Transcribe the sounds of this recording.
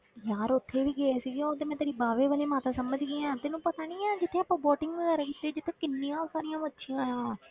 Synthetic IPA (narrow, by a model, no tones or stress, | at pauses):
jaːɾʊt̪ʰːeːʋiːɡeeːsiːɡeot̪eːmɛ̃ːt̪aːɾiːbaːʋeːʋəleːmaːt̪aːsəməd͡ʒɡeãːt̪eːnũːpət̪aːɽiːãːd͡ʒɪt̪ʰːeːaːpãːbɔːʈɪŋɡʋəɡaːɾakɪt̪ːeːd͡ʒɪt̪ʰːeːkɪnːijãːosaːɾijãːbətːʃʰiãːãː